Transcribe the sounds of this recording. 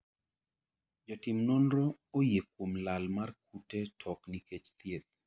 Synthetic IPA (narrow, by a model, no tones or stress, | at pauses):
d͡ʒɔtɪmnɔnɾɔːjekomlalmark̚utetʰɔkniket͡ʃt̪jet̪̚